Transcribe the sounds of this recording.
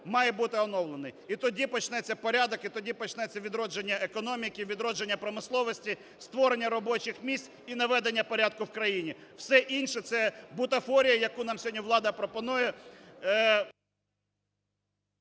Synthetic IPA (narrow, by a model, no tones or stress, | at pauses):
mɑjɛbut̪ɪɔnɔwlˠenɪjit̪ɔdʲipɔt͡ʃnɛt͡sʲːɐpɔɾʲad̪ɔkit̪ɔdʲipɔt͡ʃnɛt͡sʲːɐʋʲid̪ɾɔd͡ʒenʲːɐekɔnɔmʲɪkʲiʋʲid̪ɾɔd͡ʒenʲːɐpɾɔmɪslˠɔʋɔsʲtʲi | st̪ʋɔɾenʲːɐɾɔbɔt͡ʃɪxmʲisʲt͡sʲ | inɐʋɛd̪enʲːɐpɔɾʲad̪̚kʊwkɾɐjinʲi | wsɛʔinʃɛt̪sɛbʊt̪ɐfɔɾʲijɐjɐkunɑmsʲɦɔdʲnʲiʋlˠɑd̪ɐpɾɔpɔnujɛ